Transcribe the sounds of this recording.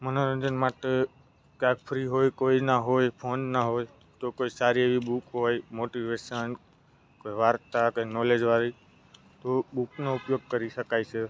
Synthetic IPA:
mənoɾənd͡ʒənmaʈe | kjakpʰɾiɦojkoinaɦojpʰonːaɦoj | t̪okoisaɾieʋibukɦojmoʈiʋeʃən | koiʋaɾt̪akanɔled͡ʒʋaɾi | t̪obuknoupjoɡ̚kəɾiʃəkajt͡ʃʰe

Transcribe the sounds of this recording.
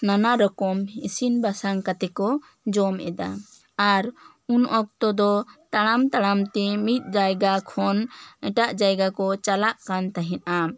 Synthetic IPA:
nanaɾɔkɔmisinbasaŋkat̪ɛkɔ | d͡ʒɔmʔɛ̰d̪a | aɾ | unʔɔk̚t̪ɔd̪ɔt̪aɽ̃amt̪aɽ̃amt̪ɛmit̪̚ˀd͡ʒajɡakʰɔnɛʈaʔd͡ʒajɡakɔt͡ʃalaʔkant̪aɦĩnʔa

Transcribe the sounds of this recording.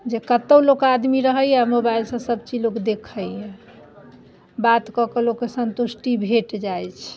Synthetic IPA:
d͡ʒekət̪əwlokad̪miɾəɦəjamobailsə̃səb̚t͡ʃilokd̪ekʰəjɦe | bat̪kɔkelokesənt̪usʈibʱeʈd͡ʒajt͡ʃʰ

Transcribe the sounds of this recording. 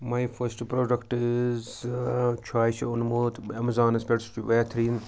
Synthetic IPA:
majfʰɐsʈpɾoːɖɐkʈɪz | t͡ʃʰaːjt͡ʃʰiʊnmoːt̪ɐmɐzaːnɐspʲeʈsʋet̪ʰɾiːn

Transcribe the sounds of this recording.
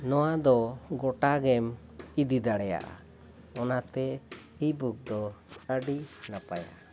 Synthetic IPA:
nɔwad̪ɔɡɔʈaɡɛmid̪id̪aɽɛja̰ʔa̰ | ɔnat̪ɛhibuk̚d̪ɔt͡ʃəɖinapaja̰

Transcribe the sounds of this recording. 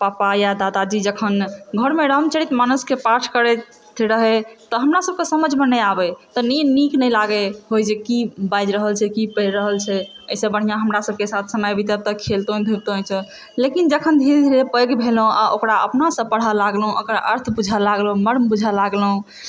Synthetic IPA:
papajad̪ad̪ad͡ʒid͡ʒəkʰənɡʱəɾmeɾəmt͡ʃəɽit̪manuskepaʈʰkəɾɛ | t̪ʰiɾəɦɛt̪ɔɦəmɾasəb̚kesəməd͡ʒʱmenəjabɛt̪ɔniniknəlaɡeɦojd͡ʒekibajd͡ʒɾəɦəlt͡ʃʰɛkipəɾəɦəlt͡ʃʰɛ | əjsə̃bəɽ̤ijãɦəmɾasəb̚kesat̪ʰsəməjbit̪əb̚t̪əkʰelt̪õd̪ʱuɾt̪oɛ̃t͡ʃʰɛ | lekind͡ʒəkʰənd̪ʱiɾd̪ʱiɾepəjɡbʱelõʔa̰ʔokɾaə̰pnasə̃pəɽ̤alaɡlɦũʔə̰kəɾʔə̰ɾt̪ʰbud͡ʒʱəlaɡlõməɾmbud͡ʒʱalaɡlɦũ

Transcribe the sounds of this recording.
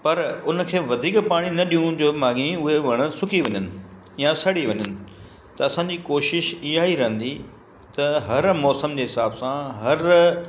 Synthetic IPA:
pɐɾʊnə̆kʰeːʋɐd̪ʱiːkpaːɽ̃inɐɗijũd͡ʑoːmaːɡĩʊɦeʋɐɽ̃ə̆sʊkʰiʋɐɲənɪ̆ | jãsɐɽiʋɐɲənɪ̆ | t̪ɐɐsãːd͡ʑikoːʃɪʃijaːɦiɾɐɦə̃nd̪i | t̪ɐɦɐɾmɔːsəmd͡ʑeːɦɪsaːbsãɦɐɾ

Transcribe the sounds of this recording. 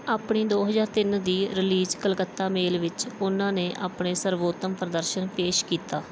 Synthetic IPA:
aːpɳiːd̪oːɦəzaːɾt̪ɪnd̪iːɾɪliːd͡ʒkəlkət̪ːaːmeːlʋɪt͡ʃʊnãːneːʔaːpɳeːsəɾʋoːt̪ːəmpɾəd̪əɾʃənpeːʃkiːt̪aː

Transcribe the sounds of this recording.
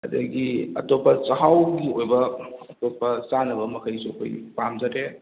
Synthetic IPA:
ɐdɐ̰ɡiɐ̰topːɐsaɦawɡiojbɐɐtopːɐsanɐbɐmɐkʰajsopʰɐ̰jpamzaɾe

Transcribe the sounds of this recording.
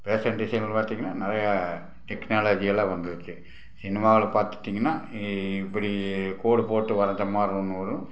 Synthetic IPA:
peːsɐɳʈɖɪsɐɪŋɡɐɭpaːɾt̪iːŋɡɐnːaːnɪɾɐjɐ | ʈɛknaːlɐd͡ʒijɐlãːʋɐnd̪ɐɾɯkːɯ | sɪnɪmaːʋɐlɐpaːɾt̪ɯt̪ːiːŋɡɐnːaːɪpːɐɽikoːɽɯpoːʈːɯʋɐɾɐnd̪ɐmaːɾũnːɯʋɐɾʊ̃

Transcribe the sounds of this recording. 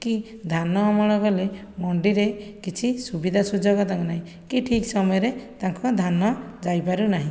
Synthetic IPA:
ki | d̪ʱanɔːmɔɭ̃ɔkɔle | mɔɳɖiɾekit͡ʃʰisubid̪ʱasud͡ʒɔɡɔt̪aŋnaɦĩ | kiʈʰiksɔmɔjɔɾet̪aŋkɔd̪ʱanɔd͡ʒajpaɾunaɦĩ

